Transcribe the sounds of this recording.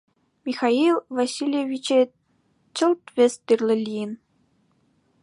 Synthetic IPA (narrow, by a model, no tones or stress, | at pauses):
mʲixɑilˠʋasʲilʲjeʋʲit͡ɕĕ | t͡ɕɤ̆lˠt̪ʋʲĕsʲt̪ɯrlʲɘ̆lʲijɘn